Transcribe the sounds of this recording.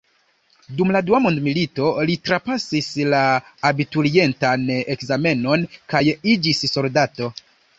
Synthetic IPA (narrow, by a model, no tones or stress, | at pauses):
dumladuamondmilito̞litɾapasislaːbituɾie̞ntane̞kzame̞no̞nkajid͡ʒisso̞ldato̞